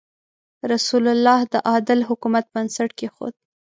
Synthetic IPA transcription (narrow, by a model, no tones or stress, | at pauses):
ɾasulalːɑhd̪əʔɑd̪ɪlɦʊkumat̪̚bbansaʈkexo̰d̪̚